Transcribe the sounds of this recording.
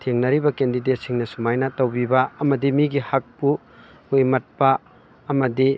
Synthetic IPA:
tʰeŋnɐɾibɐkendidet̚siŋnɐsumajnɐtɐwbibɐɐmɐdimiɡihak̚pu | ujmɐt̚pɐ | ɐmɐdi

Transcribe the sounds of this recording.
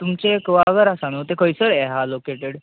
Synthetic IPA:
t̪umt͡ɕeːkʋaɡəɾasanot̪ekəjsəɭɛɦalokeʈeɽ

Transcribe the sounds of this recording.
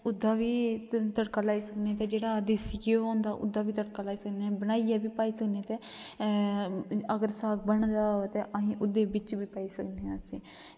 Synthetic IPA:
ʊd̪ːaːʋiːt̪əʈkaːlaːiːsəknet̪eːd͡ʒeːɽaːd̪ɪsikeoɦoːnd̪aːʔʊ̰d̪aːʋiːt̪əʈkaːlaːiːsəknebənaːiaːbiːpaːiːsəknet̪eː | əɡəɾsaːk̚bəɳd̪aːot̪eːʔəɦĩːʔʊd̪eːbɪt͡ʃbiːpaːiːsəkneəsĩː

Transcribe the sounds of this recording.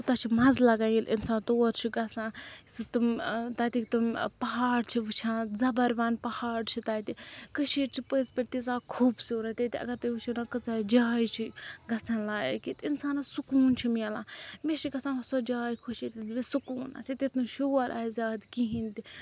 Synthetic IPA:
ut̪at͡ʃʰimɐzlɐɡajilʔḭnsãːnt̪oːɾt͡ʃʰiɡɐt͡sãsɨt̪umt̪aːt̪ikt̪umpɐɦaːɽt͡ʃʰiʋɨt͡ʃʰãːnzɐbɐɾʋaːnpɐhaːɽt͡ʃʰit̪aːt̪ikɨt͡ʃʰiːʈt͡ʃʰipəzpɐʈt̪it͡saːkʰuːbsiɾɐt̪ɐt̪iɐ̰ɡɐɾt̪ɨut͡ʃʰinakɨt͡saːd͡ʒaːjt͡ʃʰiɡɐt͡sʰanlaːj̰kit̪insaːnɐsukuːnt͡ʃʰimelameʃiɡɐsãnɦɐsod͡ʒaːjkʰoʃit̪iʋisukuːna̰sit̪et̪uʃoːɐɾʔa̰ːzʲaːd̪kiɦint̪i

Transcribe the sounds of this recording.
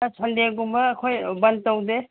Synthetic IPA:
sʰandeɡumbɐːkʰojbɐntowde

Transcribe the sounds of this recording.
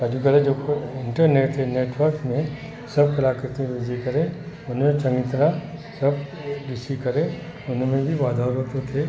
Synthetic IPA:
ad͡ʒukɐɾed͡ʒoːkoɪ̃ɳʈəɾneːʈt̪ʰeneːʈʋəɾkmẽ | sɐb̚kɐlaːkɾɪt̪ẽʋɪd͡ʒikɐɾẽ | ʊnmẽt͡ʃɐ̃ŋɡɪt̪nasɐb | ɖɪsikɐɾẽ | ʊnmẽbʱiʋaːd̪ʱaːɾət̪ot̪ʰe

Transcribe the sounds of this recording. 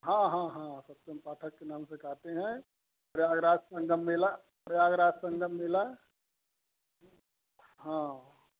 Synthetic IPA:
ɦãɦãɦãsəp̚t̪empaːʈʰəkːenaːmsekaːt̪eɦɛ̃ | pɾjaːɡɾaːssə̃ŋɡʱəmːila | pɾəjaːɡɾaːssə̃ŋɡʱəmːila | ɦã

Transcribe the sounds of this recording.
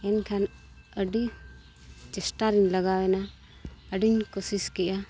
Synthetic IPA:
ɛnkʰan | əɖi | t͡ʃɛsʈaɾiɲləɡawɛna | əɖiɲkosiskɛʔa

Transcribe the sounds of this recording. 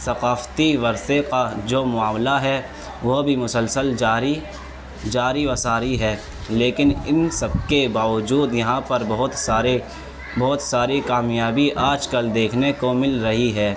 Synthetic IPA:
sɐqaːft̪iʋɐɾsekad͡ʒoːmʊaːmlaɦɛ | ʋobʱimʊsəlsəld͡ʒaːɾi | d͡ʒaːɾiʋɐsaːɾiɦɛː | leːkɪnɪnsɐb̚kebaːʋəd͡ʒuːd̪jɐɦãpɐɾbɐɦʊt̪saːɾe | bɔːt̪saːɾikaːmjaːbiʔaːd͡ʒkɐld̪eːkʰnekomɪlɾɐɦiɦɛː

